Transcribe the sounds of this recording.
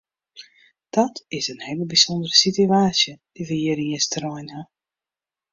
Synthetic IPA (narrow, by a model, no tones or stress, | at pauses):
d̥ɔtɪsənheləbisondərəsityaːsjəd̥ivəjəɾiəstrɔjna